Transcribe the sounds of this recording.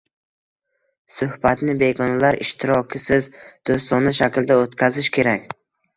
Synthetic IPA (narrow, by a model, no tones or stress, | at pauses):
sʊhbat̪nɪbe̞ɡɒnlaɾɪʃt̪ʰɪɾɒkʲʰɪsɪzd̪̥ost̪ɒnaʃakʲld̪aot̪kʲʰazɪʃkʲʰe̞ɾakʲ